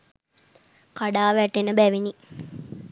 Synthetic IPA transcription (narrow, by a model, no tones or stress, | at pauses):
kaɖaːʋæʈːenəbæʋini